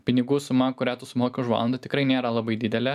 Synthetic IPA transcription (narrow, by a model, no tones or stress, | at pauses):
pʲɪnʲɪɡuːsʊmɐkʊɾʲæːt̪ʊsʊmoːkʲɪʊʃʋɑ̰lˠɐnd̪ɐt̪ʲɪkɾɐɪnʲeːɾɐlˠɐbɐɪd̪ʲɪd̪ʲɛlʲɛ